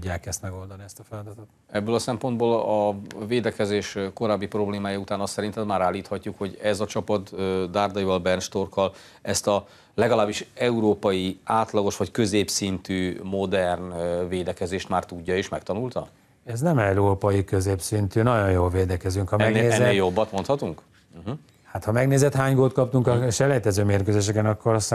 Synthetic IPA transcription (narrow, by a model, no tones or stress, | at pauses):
uɟːaːkɛst̪mɛɡo̞ld̪ɒniɛst̪ɒfɛlɒd̪ɒt̪ot̪ | ɛbːøːlɒsɛmpo̞nd̪boːlɒveːd̪ɛkɛzeːʃko̞ɾaːbːipro̞bleːmaːjɒut̪aːnɒst̪sɛɾint̪ɛd̪maːɾaːlːiːt̪hɒcːukho̞ɟɛzɒt͡ʃɒpɒt̪ød̪aːrd̪ɒjivɒlbɛrnʃt̪o̞rkɒl | ɛst̪ɒ | lɛɡɒlaːbːiʃɛuɾoːpɒjiaːt̪lɒɡo̞ʃʋɒckø̞zeːpsint̪yːmo̞d̪ɛrnveːd̪ɛkɛzeːʃt̪maːrt̪uɟːɒeːʃmɛkt̪ɒnult̪ɒ | ɛznɛmɛuɾoːpɒjikøzeːpsint̪ynɒɟo̞jjoːlveːd̪ɛkɛzyŋkhɒmɛɡnːneːzɛeːljo̞bːɒt̪mo̞nt̪hɒt̪uŋk̩ | ɦ̩ | hat̪hɒmɛɡneːzɛt̪haːɲɡolt̪kɒp̚t̪uŋkɒʃɛlɛjt̪ɛzøːmeːrkøzeːʃ̬ɛkɛnɒkːoɾs